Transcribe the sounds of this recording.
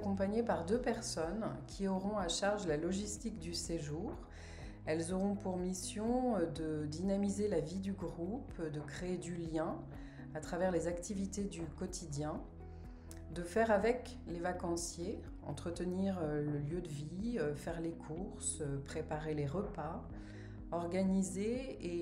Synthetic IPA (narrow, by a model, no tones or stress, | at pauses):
kɔ̃paɲepaʁd̪øpɛʁsɔnkʲʰiɔʁɔ̃aʃaʁʒlalɔʒist̪ikd̪yseʒuːʁ | ɛlzɔʁɔ̃puʁmisjɔ̃d̪əd̪inamizelavid̪yɡʁupd̪əkχeːd̪yljɛ̃ | at̪χavɛʁlezakt̪ivit̪ed̪ykɔt̪ʰid̪jɛ̃ | d̪əfɛʁavɛk | levakɑ̃sje | ɑ̰̃t̪χət̪əniʁøləljød̪əviøfɛʁlekʰuʁsøpχepaʁeleʁəpa | ɔʁɡanizeː